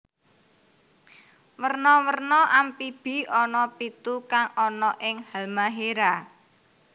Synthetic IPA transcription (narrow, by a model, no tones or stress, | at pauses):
wərnɔwərnɔʔampib̥i̤ɔnɔpit̪ukaŋɔnɔʔɪŋhalmaɦeɾa